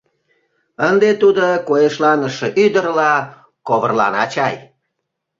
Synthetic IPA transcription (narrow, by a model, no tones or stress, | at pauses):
ənd̪et̪ud̪okojeʃlɑnəʃeʔyd̪ərlɑ | koβərlɑ̰nɑt͡ɕɑj